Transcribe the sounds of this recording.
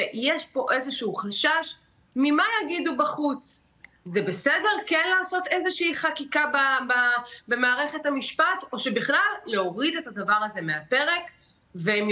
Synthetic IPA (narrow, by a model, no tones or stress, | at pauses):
jeʃpo̞ʔezeʃuuχaʃaʃ | mimajaɡidubaχut͡s | zebe̞sede̞ʁkenlaːso̞t̪e̞zeʃɛiχakikabababe̞maːʁeχethamiʃpato̞ʃebiχlalːeo̞ʁidet̪adavaʁaze̞meape̞ʁe̞k | vem